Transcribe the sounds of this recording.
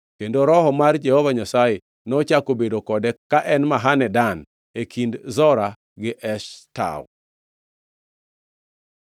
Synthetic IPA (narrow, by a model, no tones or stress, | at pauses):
kendoɾɔɦɔmard͡ʒɛhovaɲasaje | nɔt͡ʃakobedokɔdɛkaʔɛnmaɦanɛdan | ekʰindzɔɾa | ɡɪʔɛʃta̰w